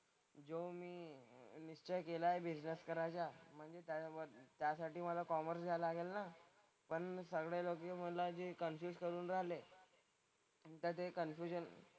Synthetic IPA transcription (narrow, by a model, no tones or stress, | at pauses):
d͡zomiːniʂt͡ɕəkelaebid͡ʑnəskəɾat͡ɕjam̤əɳd͡zet̪jat̪jasaʈiːməlakɔməɾsɡʱalaɡelna | pəɳsəɡɽelokim̤əʈlad͡ʑekənfjuːskəɾuːnɾaɦle | t̪əɾt̪ekənfjuɕən